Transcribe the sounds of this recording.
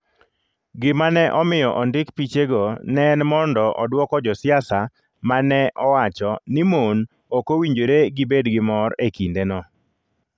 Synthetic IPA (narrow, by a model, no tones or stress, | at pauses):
ɡɪmanɛʔɔmɪjɔʔɔndɪkpit͡ʃeɡonɛnmɔndɔʔɔdwɔkɔd͡ʒɔsɪjasa | manɛʔɔwat͡ʃɔnɪmon | okowiɲd͡ʒoɾeɡɪbedɡɪmɔɾekindenɔ